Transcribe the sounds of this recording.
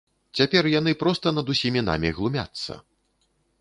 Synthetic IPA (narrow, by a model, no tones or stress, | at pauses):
t͡sʲapʲɛrjanɨpɾɔst̪ɐnɐd̪usʲimʲina̰mʲiɣlˠumʲa̰t̪sːɐ̰